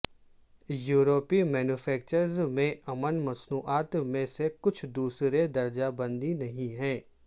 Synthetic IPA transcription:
juːɾoːpimɛːnuːfʰɛːk̚t͡ʃəɾzmẽɐmənmɐsnuːʔaːt̪mẽsekʊt͡ʃʰd̪uːsɾed̪ɐɾd͡ʒabɐ̃nd̪inɐɦĩɦɛ̃ː

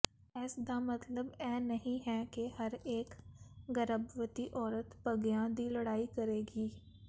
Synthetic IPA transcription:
ɛːsd̪amɐt̪ləbɛːnɐɦĩɦɛkehɐɾeːkɡɐɾəbʋət̪iʔɔːɾət̪pɐɡjãːd̪ilɐɽaːikɐɾeːɡiː

